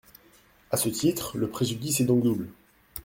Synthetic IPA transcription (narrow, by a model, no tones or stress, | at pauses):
asət̪it̪χləpχeʒyd̪isɛd̪ɔ̃kd̪ubl